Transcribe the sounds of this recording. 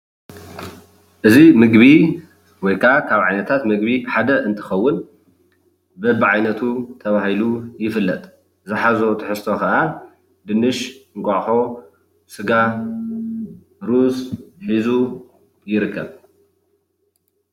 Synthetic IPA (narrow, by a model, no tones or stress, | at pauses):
ʔɨzimɨɡβi | wɔjkʰakʰaβʕajnɐt̪ʰat̪mɨɡbiħad̪ɐʔɨnt̪ʰɨ̥xɐwːʊn | bɐbɨʕajnɐt̪ʰut̪ʰɐβahilujɪfɨlːɐt̪ʼ | zɨħazot̪ʰɨħɨst̪ʰo̞kɐʔa | d̪ɨnɨʃŋkʷʼoʕħo̞ | sɨɡa | ɾusħizu | jɪɾɨkʰːɐβ